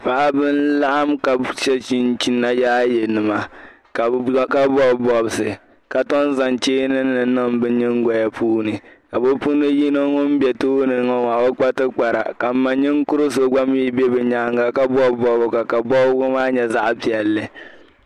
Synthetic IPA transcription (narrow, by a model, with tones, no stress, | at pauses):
fa˨˦bɨ˦nla˦ʔa˦mka˨t͡ʃɛ˦t͡ʃi˦nt͡ʃi˨nːa˦jaː˦jɛ˨nɨ˨ma˨ | ka˨˦ka˦bɔ˦bbɔ˨bɨ˨sɨ˨ | ka˨tɔ˦n˦za˨nt͡ʃeː˦nɨ˦nːɨ˨nɨ˦mbɨ˦ɲɪ˦ŋɡɔ˨ja˦puː˦nɨ˨ka˨bo˦pu˦nɨ˦ji˦no˦ŋʊ˦m˦bɛ˨toː˦nɨ˨ŋɔ˦ŋa˨bo˦k͡pa˦tɨ˦k͡pa˨ɾa̰˨ka˨m̩˦ma˨ɲɪ˦ŋkʊ˦ɾɨ˦so˨ɡ͡ba˦m˦i˦bɛ˦bɛ˨ɲa˦ŋɡa˦ka˦bɔ˦bɔ˦bʊ˨ɡa˨ka˨bɔ˦bɡʊ˦maː˦ɲɛ˨za˦ʔpi˨ɛ˨lːɨ˨